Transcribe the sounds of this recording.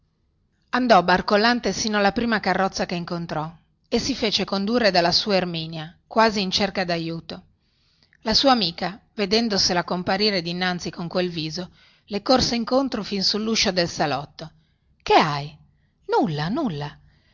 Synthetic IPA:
and̪ɔbarkolant̪esiːnoalːapɾiːmakarːɔt̪sːakeiŋkont̪ɾɔ | esifeːt͡ʃekond̪urːed̪alːasuːaermiːnjakwaːziːnt͡ʃerkad̪ajuːt̪o | lasuːamiːkaved̪ɛnd̪oselakompaɾiːɾed̪inːant̪sikoŋkwelviːzo | lekorseiŋkont̪ɾofinsulːuʃod̪elsalɔt̪ːo | keaj | nulːanulːa

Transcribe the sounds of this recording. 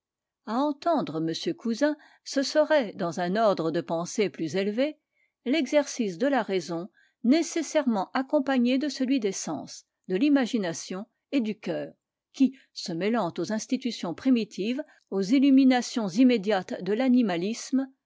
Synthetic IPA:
aɑ̃t̪ɑ̃d̪ʁəməsjøkuzɛ̃ | səsəʁɛd̪ɑ̃zɛ̃nɔʁd̪ʁəd̪əpɑ̃seplyzelve | lɛɡzɛʁsisd̪əlaʁezɔ̃ | nesesɛʁmɑ̃ʔakɔ̃paɲed̪əsəlɥid̪esɑ̰̃ːs | d̪əlimaʒinasjɔ̃ | ed̪ykʲœːʁ | kʲi | səmɛlɑ̃t̪ozɛ̃st̪it̪ysjɔ̃pχimit̪ʰiv | ozilyminasjɔ̃zimed̪jat̪d̪əlanimalism

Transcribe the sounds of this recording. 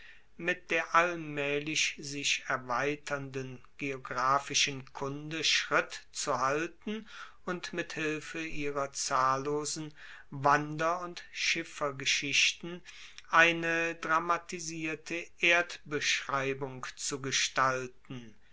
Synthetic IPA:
mɪt̚d̥eːɐʔalmɛːlɪʃzɪʃɛɐvaɪtʰɐndən | ɡ̥eoɡʁaːfɪʃənkʰʊndəʃʁ̥ɪtt͡suhaltn̩ | ʊntmɪthɪlfəʔiːʁɐt͡saːlːoːzn̩ | vandɐʊntʃɪfɐɡəʃɪɕtn̩ | ʔaɪnədʁamatiziːɐtʰəʔeːɐtb̥əʃʁ̥aɪbʊŋkt͡suɡəʃtaltn̩

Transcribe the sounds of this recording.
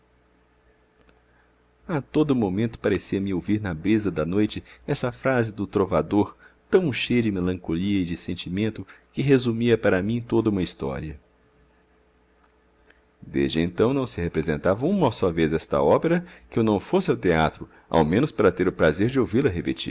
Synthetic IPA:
at̪od̪ʊmomẽnt̪ʊ̥paɾesiɐmɪowviɾnɐbɾizɐd̪ɐnojt͡ʃɪɛsɐfɾazɪd̪ʊt̪ɾovad̪oɾ | t̪ɐ̃w̃ʃejɐd͡ʒɪmelɐ̃ŋkoliɐɪd͡ʒɪsẽnt͡ʃimẽnt̪ʊkɪɦezumiɐpaɾɐmĩt̪od̪ɐũmɐist̪ɔ̰ɾiɐ | d̪ḛzd͡ʒɪẽnt̪ɐ̃w̃nɐ̃w̃sɪhepɾezẽnt̪avɐũmɐowsɔvezɛst̪ɐ̰ɔpeɾɐkɪewnɐ̃w̃fosɪawt̪ea̰t̪ɾʊ | a̰wmẽnʊspaɾɐt̪eɾʊpɾazeɾd͡ʒɪowvilɐɦepet͡ʃḭɾ

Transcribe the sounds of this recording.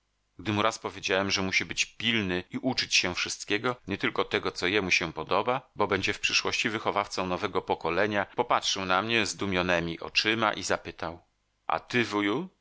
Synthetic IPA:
ɡd̪ɘmuɾaspɔvʲjed͡ʑawɛmʐɛmuɕibɘt͡ɕpʲilnɘiʔut͡ʂɘt͡ɕɕɛfʂɘst̪̚kʲɛɡɔɲɛt̪ɘlkɔt̪ɛɡɔt̪sɔjɛmuɕɛpɔd̪ɔbabɔbɛɲd͡ʑɛfpʂɘʂwɔɕt͡ɕivɘxɔvaft̪sɔ̃w̃nɔvɛɡɔpɔkɔlɛɲapɔpatʂɘwnamɲɛzd̪umʲjɔnɛmʲiʔɔ̰t͡ʂɘma̰ʔizapɘt̪aw | ʔa̰t̪ɘvuju

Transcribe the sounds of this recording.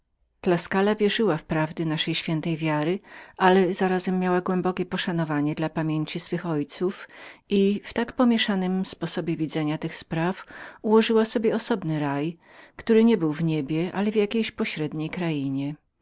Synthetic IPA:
d̪̥laskalavʲjɛʐɘwafpɾavd̪ɘnaʂɛjɕfʲjɛnt̪ɛjvʲjaɾɘʔalɛzaɾazɛmːjawaɡwɛmbɔkʲɛpɔʂanɔvaɲɛd̪lapamʲjeɲt͡ɕisfɘxɔjt̪sufʔift̪akpɔmʲjɛʂanɘmspɔsɔbʲjɛvʲid̪zɛɲat̪ɘxspɾafuwɔʐɘwasɔbʲjɛɔsɔbnɘɾaj | kt̪uɾɘɲɛbɘwvɲebʲjɛʔa̰lɛvjakʲejɕpɔɕɾɛd̪ɲejkɾajiɲɛ

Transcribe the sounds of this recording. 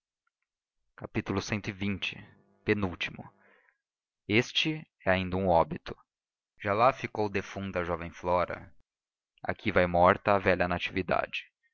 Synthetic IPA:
kapit̪ulʊsẽnt̪ʊɪvĩnt͡ʃɪ̥ | penuwt͡ʃimʊ | est͡ʃɪ | ɛaĩnd̪ɐũɔbit̪ʊ̥ | ʒ̥alafikowd̪efũt̪ɐɐʒɔvẽj̃flɔɾɐ̰ | a̰kʰivajmɔɾt̪ɐːvɛʎɐnat͡ʃivid̪a̰d͡ʒɪ̥

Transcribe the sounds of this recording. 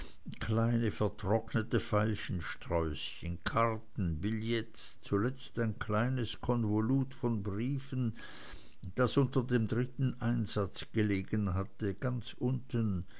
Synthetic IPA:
kʰlaɪnəfɛɐtʁ̥ɔknətəfaɪlçən̩ʃtʁ̥ɔʏsçənkʰaʁtn̩bɪljɛt͡s | t͡sulɛt͡staɪnkʰlaɪnəskʰɔnvoluːtfɔnbʁiːfən | d̥asʔʊntɐdeːmdʁɪtn̩ʔaɪnzat͡sɡ̥əleːɡənɦatəɡ̥ant͡sʔʊntən

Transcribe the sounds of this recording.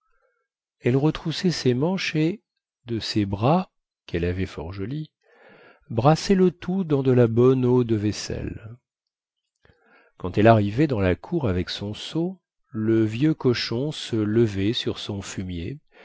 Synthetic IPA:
ɛlʁət̪χusɛsemɑ̃ʃe | d̪əsebʁa | kɛlavɛfɔ̰ʁʒɔli | bʁasɛlət̪ud̪ɑ̃d̪əlabɔnod̪əvɛsɛ̰l | kɑ̃t̪ɛlaʁivɛd̪ɑ̃lakʰuʁavɛksɔ̃so | ləvjøkɔʃɔ̃sələvɛsyʁsɔ̃fymje

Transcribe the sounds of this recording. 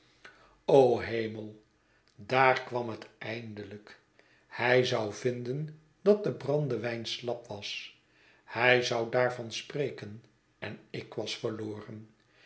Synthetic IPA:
owɦejməlˠ | daːrkʋɑmɦətɛjndələk | hɛjzɑwvɪndən | dɑt̚dəbrɑndəʋɛjnslɑpʋɑs | hɛjzɑwdaːɹvɑnsprejkən | ɛnɪkʋɑsfəɹloːrən

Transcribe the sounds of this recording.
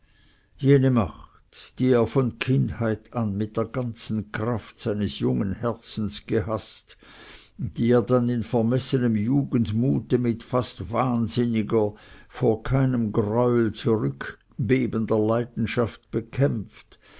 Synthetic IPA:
jeːnəmaχ | td̥iːeːɐfɔnkʰɪndhaɪtanmɪt̚d̥eːɐɡ̥ant͡sn̩kʁ̥aftz̥aɪnəsjʊŋənhɛɐt͡sn̩sɡ̥əhast | d̥iːeːɐdanɪnfɛɐmɛsənəmjuːɡən̩tmuːtəmɪtfastv̥aːnzɪnɪɡɐfoːɐkʰaɪnəmɡʁɔʏlt͡suʁʏk | b̥eːbəndɐlaɪdn̩ʃaft̚b̥əkʰɛmft

